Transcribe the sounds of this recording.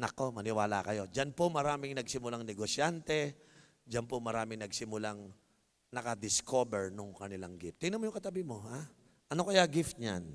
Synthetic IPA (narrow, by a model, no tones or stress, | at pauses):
nɐko̞mɐnɪwaːla̰kɐjo̞d͡ʒanpomɐɾaːmɪŋnɐɡsɪmʊlaŋnɛɡosjant̪ɛ | d͡ʒanpomɐɾaːmɪŋnɐɡsɪmʊlaŋ | nɐkɐd̪ɪskʰo̞bɛɹnoŋkɐnɪlaŋɡɪft̪ːɪnɐmojʊŋkɐt̪ɐbɪmo̞ɦa | ʔɐnokɐjaɡɪft̪̚ɲa̰n